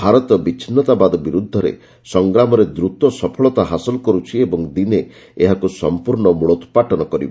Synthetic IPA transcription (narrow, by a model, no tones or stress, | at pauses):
bʱaɾɔt̪ɔbit͡ʃʰinɔt̪abad̪ɔbiɾud̪ʱːɔɾḛ | sɔŋɡɾamɔɾed̪ɾut̪ɔsɔpʰɔɭɔt̪aɦasɔlɔkɔɾut͡ʃʰiebɔŋd̪ine | eɦakusɔmpuɾɳɔmuɭɔt̪paʈɔnɔkɔɾḭbɔ